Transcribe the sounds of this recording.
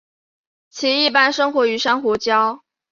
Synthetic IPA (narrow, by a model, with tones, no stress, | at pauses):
t͡ɕʰi˧˥i˥˩pa˥nʂɤ˥ŋxwɔ˧˥y˧˥ʂa˥nxwɔ˧˥t͡ɕjɑ˥ʊ